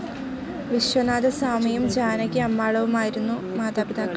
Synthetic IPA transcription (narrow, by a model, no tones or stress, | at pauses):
ʋiɕwɐnaːd̪ɐsaːmijumd͡ʑaːnɐkʲːɨɐmːaːɭɐʋumaːjiɾunːumaːd̪aːbid̪ʱaːkːɐ